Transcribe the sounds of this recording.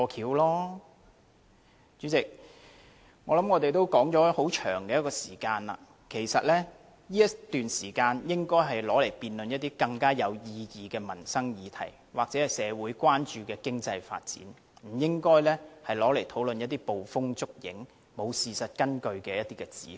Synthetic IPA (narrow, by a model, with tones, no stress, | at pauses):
ɔː˧kʰiː˨˥wlɔː˥ | t͡ʃyː˨˥t͡sɪ˨k̚ | ŋɔː˨˧lɐ˨˥mŋɔː˨˧t̪e˨jt̪o˥wkɔː˨˥ŋt͡ʃɔː˨˥ho˨˥wt͡ʃʰœ̰ː˨˩ŋkɛː˧jɐ˥kɔː˧siː˨˩kaː˧nɐ̰ː˨ | kʰe˨˩jsɐ˨t̚lɛ˥ | jiː˥jɐ˥t̪yː˨nsiː˨˩kaː˧njɪ˥ŋkɔː˥jɦɐ˨jlɔː˨˥le˨˩jpiː˨nlɵ˨njɐt̪̚iː˥kɐ˧ŋkaː˥jɐ˨˧wjiː˧jiː˨kɛː˧mɐ˨˩nsɐ˥ŋjiː˨˧t̪ʰɐ̰˨˩j | waː˨k̚t͡sɛː˨˥hɐ˨jsɛː˨˧wuː˨˥jkwaː˥nt͡ʃyː˨˧kɛː˧kɪ˥ŋt͡sɐ˧jfa̰ː˧t̚t͡sḭː˨˥n | m̩˨˩jɪ˥ŋkɔː˥jlɛː˥hɐ˨jlɔː˨˥le˨˩jt̪ʰo˨˥wlɵ˨njɐ˥t̪̚ːiː˥po˨wfʊ˥ŋt͡sʊ˥k̚jɪ̰˨˥ŋ | mo˨˧wsiː˨sɐ˨t̚kɐ˥nkɵ˧ɥkɛː˧jɐ˥t̪iː˥kɛː˧t͡sḭː˨˥